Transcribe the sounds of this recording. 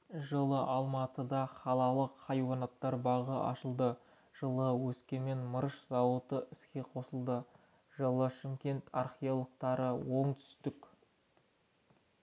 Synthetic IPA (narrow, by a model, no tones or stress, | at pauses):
ʒəlˠəʔɑlˠmɑt̪əd̪ɑχɑlˠɑlˠəqʰːɑjwɑnɑt̪ːɑɾbɑʁəʔɑ̰ʃəlˠd̪ə | ʒ̥əlˠəwɵskʲe̞me̞nməɾəʃzɑwət̪əʔɪskʲe̞qʰo̞səlˠd̪ə | ʒəlˠəʃɪmkʲe̞nt̪ʰɑrχʲiolˠək̚t̪ɑɾəwo̞ɴt̪ʰʏ̥st̪ɪk